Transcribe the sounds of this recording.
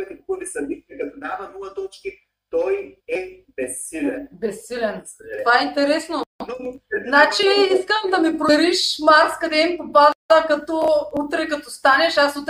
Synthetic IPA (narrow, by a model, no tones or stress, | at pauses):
ɛt̪ikkolisɐbit̪iɛkɐt̪od̪avɐmɔɐt̪ɔt͡ʃki | t̪ɔjɛbɛsːilɛnbɛsːilʲɛntt̪ovaɛint̪ɛɾɛsno | nat͡ʃiiskəmd̪ɐmipɾoɛɾiʃmaɾskɐd̪ɛmpobazt̪əkɐt̪ɔut̪ɾɛkɐt̪ɔst̪anɛʃasut̪ɾ